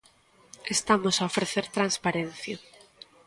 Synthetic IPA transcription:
est̪amosaofɾeθeɾt̪ɾanspaɾen̟θja

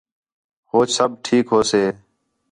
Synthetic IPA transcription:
hoːt͡ʃsəb̚ʈʰiːkɦoːseː

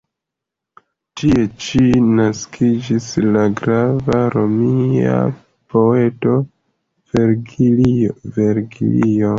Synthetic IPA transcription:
tie̞t͡ʃinaskʰid͡ʒislaɡɾavaɾo̞mia̰ | po̞e̞to̞ | veɾɡiveɾɡiḭlio

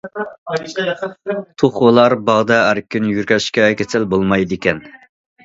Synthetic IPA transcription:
t̪ʰoχwolˠɑɾbɑʁd̪ɛæɾkʲʰːynjyɾkʲʰɛɪ̥ʃkʲɛkʲʰesɪlbolˠmɑjd̪ɪkʲɛn

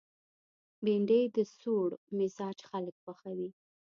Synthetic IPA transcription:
biɳɖəjd̪əsoɽmɪzɑd͡ʒxaləkxaxawi

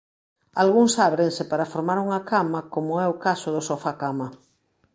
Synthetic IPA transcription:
alɣuŋsaβɾensɪpaɾafoɾmaɾuŋakamakomʊɛʊkasoðʊsofakama

